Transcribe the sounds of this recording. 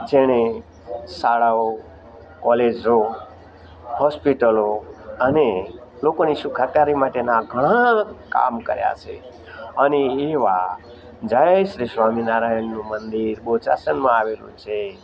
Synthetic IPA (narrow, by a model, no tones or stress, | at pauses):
d͡ʒeɽ̃e | saɽao | kɔled͡ʒo | hɔspiʈəloəne | lokoniʃukʰat̪aɾimãʈenaɡʱəɽ̃ãka̰mkə̰ɾja̰t͡ʃʰḛ | əneːʋa | d͡ʒaʃɾisʋaminaɾajənːũmənd̪iɾbot͡ʃa̰sənmãaʋelṵ̃t͡ʃʰe